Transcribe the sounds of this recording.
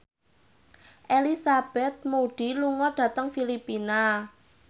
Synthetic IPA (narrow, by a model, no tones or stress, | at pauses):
ʔelisab̥ɛt̪̚moɖ̥i̤luŋɔɖ̥ä̤t̪əŋfilipina